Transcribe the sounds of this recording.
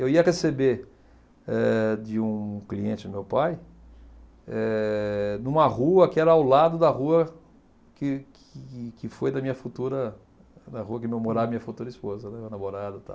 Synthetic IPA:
ewiɐʁesebe | ɛd͡ʒɪũkliẽt͡ʃɪʊmewpaj | ɛ | nũmɐʁuɐkɪɛɾɐawlad̪ʊd̪ɐɦuɐ | kɪk | kɪfojd̪ɐmĩɲɐfut̪uɾɐ | d̪ɐɦuɐkɪmewmoɾaɐmĩɲɐfut̪uɾɐispozɐnɛnamoɾad̪ɐt̪a̰w

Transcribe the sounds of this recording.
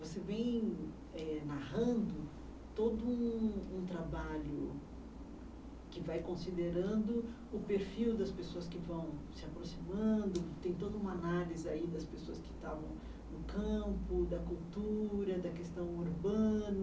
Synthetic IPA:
vosevẽj̃ | ɛnahɐ̃nd̪ʊ | t̪od̪ʊũũt̪ɾabaʎʊ | kɪvajkõsid̪eɾɐ̃nd̪ʊ | ʊpeɾfiwd̪ɐspesoɐskɪvɐ̃w̃sɪapɾosimɐ̃nd̪ʊt̪ẽj̃t̪od̪ɐũmɐanalizɪaid̪ɐspesoɐskɪ̥t̪avɐ̃w̃ | nʊkɐ̃mpʊd̪ɐkuwt̪uɾɐd̪ɐkest̪ɐ̃w̃uɾbɐ̃nɐ

